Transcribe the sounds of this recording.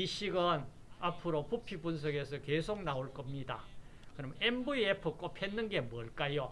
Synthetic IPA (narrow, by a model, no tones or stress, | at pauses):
iɕʰiɡan | apʰɯɾopupʰipunsʰʌɡe̞sʰʌkesʰok̚naoɭk͈ʌmɲidakɯɾʌmnembuiepʰɯk͈opʰenːɯnɡe̞mwʌɭk͈ajo